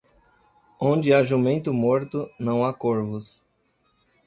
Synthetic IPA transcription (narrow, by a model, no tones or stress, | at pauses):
õnd͡ʒɪaʒumẽnt̪ʊmoɾt̪ʊnɐ̃w̃akoɾvʊs